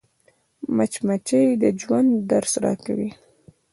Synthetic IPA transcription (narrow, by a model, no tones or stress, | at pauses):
mat͡ʃmat͡ʃəjd̪əd͡ʒwand̪ːaɾsɾɑ̰kawi